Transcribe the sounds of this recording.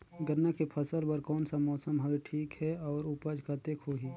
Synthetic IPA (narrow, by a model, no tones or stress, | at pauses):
ɡəɾnakepʰəsəlbəɾkɔːnsamɔːsəmɦɐʋeʈʰiːkɦɛɔːɾʊpəd͡ʒkat̪ekʰoːɦiː